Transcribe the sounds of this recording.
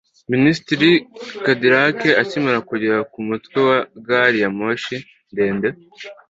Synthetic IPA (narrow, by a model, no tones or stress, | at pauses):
ministiɾikadiɾakeacimaɾakuɟeɾakumutwewaɡaɾijamoʃi | nde̞ːnde